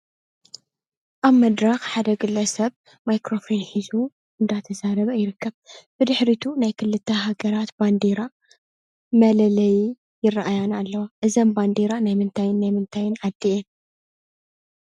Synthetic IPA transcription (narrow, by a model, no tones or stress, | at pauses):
ʔaβmɐd̪ɾɐxħad̪ɐɡɨlːɐsɐβ | majkɾofɾinħizu | ʔɨnd̪at̪ʰɐzaɾɐβɐjɪɾɨkːɐβb̥ɨd̪ɨħɾit̪ʰunajkʰɨlːɨt̪ʰːɐɦaɡɐɾat̪band̪eɾa | mɐlɐlɐji | jɪrːaʔajanalːɐwaʔɨzɐmband̪eɾanajmɨnt̪ʰajɪnːajmɨnt̪ʰajɪnʕad̪ːie